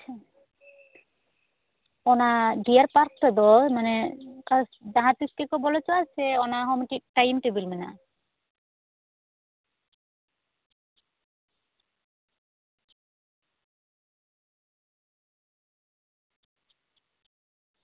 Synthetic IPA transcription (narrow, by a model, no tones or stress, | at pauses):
ɔnaɖijaɾpaɾk̚ʈɔd̪ɔmanekasd͡ʒaɦat̪iskekɔbɔlet͡ʃɔaseɔnaɦɔmʈiʈajmʈibilmina̰